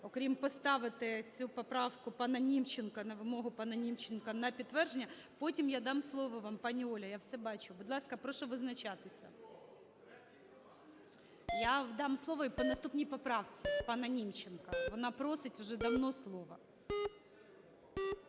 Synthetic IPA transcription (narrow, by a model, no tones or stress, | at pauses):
ɔkɾʲimpɔst̪ɑʋɪt̪ɪt͡sʲupɔpɾɑfkʊpɑnɐnʲimt͡ʃːɪnkɐnɐʋɪmoɦʊpɑnɐnʲimt͡ɕːɪnkɐnɐpʲit̪ːʋɛrʒenʲːɐpotʲimjad̪ɑmslˠoʋɔʋɑmpɑnʲiɔlʲɐjafsɛbɑt͡ʃʊbʊd̪lˠɑskɐpɾoʃɔʋɪznɐt͡ʃat̪ɪsʲɐ̰ | jad̪ɑmslˠoʋɔipɔnɐst̪upnʲijpɔpɾɑʋt͡sʲɪpɑnɐnʲimt͡ʃːɪnkɐʋɔnɑpɾosɪtʲʊʒɛd̪ɐwnɔslˠoʋɐ